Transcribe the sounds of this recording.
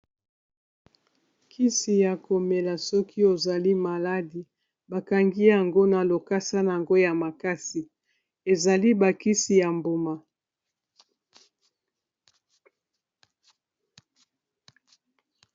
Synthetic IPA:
kʰi˦si˨ja˨ko˨me˨la˨sɔ˦kʰi˦o˨za˨li˦ma˨la˦di˨ | ba˨ka˨ŋɡi˦ja˨ŋɡo˦na˨lo˨ka˦sa˦na˨ja˨ŋɡo˦ja˨ma˨ka˦si˨ | e˨za˨li˦ba˨ki˦si˨ja˨mbo˨ma˨

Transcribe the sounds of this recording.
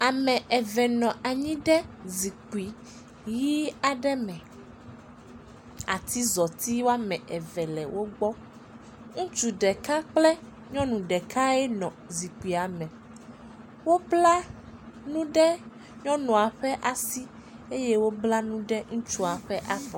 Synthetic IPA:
a˨mɛ̃˨ʔɛ˨vɛ˨nɔ̃˨ʔa˨ɲĩ˦ɖɛ˦zi˨k͡pu˨i˨ | ji˦a˨ɖɛ˦mɛ̃˨ | a˨t̪i˦zɔ˨t̪i˦wo˦a˦mɛ̃˨ʔɛ˨vɛ˨lɛ˨wʔo˦ɡ͡bɔ˦ | ŋũ˦t͡ʃu˨ɖɛ˨ka˦k͡plɛ˦ | ɲɔ̃˦nũ˨ɖɛ˨kʰa˦ɛ˦nɔ̃˨zi˨k͡pi˨a˨mɛ̃˨ | wo˦bla˦nũ˦ɖɛ˦ | ɲɔ̃˦nɔ̃˨a˨ɸɛ˦ʔa˨si˦ | e˦jɛ˦wo˦bla˦nũ˦ɖɛ˦ŋũ˦t͡ʃu˦a˨ɸɛ˦ʔa˨vɔ˨

